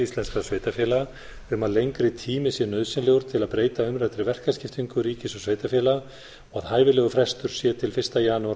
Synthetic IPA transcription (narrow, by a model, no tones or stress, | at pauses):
ist̪lɛnskasveːjt̪afjɛla | ʏmaðlejŋkɾɪt̪ʰiːmɪsjɛnœðsɪnlɛɣʏɾ̥t̪ʰɪlaðpɾeːjt̪aʏmɾat̪ɾɪvɛr̥kascɪft̪iŋkʏɾiːcɪsɔɣsveːjt̪afjɛla | ɔɣaðhaːjvɪlɛːɣʏfɾɛst̪ʏɾ̥sjɛt̪ʰɪlfɪr̥st̪ajaːnua